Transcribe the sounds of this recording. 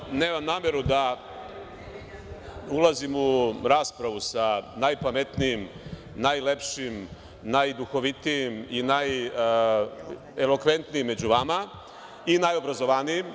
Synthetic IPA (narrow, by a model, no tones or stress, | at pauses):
ne̞ːmamnaːmjeɾud̪a | ulˠazimuɾaːspɾaʋusanajpame̞t̪nijim | najlepʃiim | najd̪uxo̞ʋit̪ijiminaj | elo̞kʋe̞nt̪nijimːe̞d͡ʑuʋama | inajo̞bɾazo̞ʋanijim